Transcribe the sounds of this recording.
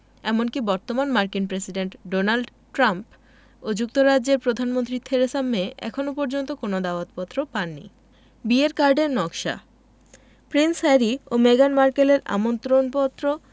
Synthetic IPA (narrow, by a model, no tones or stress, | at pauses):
ɛmonkibɔɾt̪omanmaɾkinpɾesiɖeɳʈɖonalɖ | ʈɾamp | od͡ʑuk̚t̪oɾad͡ʑːʑeɾpɾod̪ʱanmont̪ɾit̪ʰeɾesamːeɛ̰kʰonopɔɾd͡ʑont̪okonod̪aoot̪pɔt̪ːɾopanːḭ | bieɾkaɾɖeɾnɔkʃa̰ | pɾinsɛɾiomeɡanmaɾkeleɾa̰mont̪ɾonpɔt̪ːɾo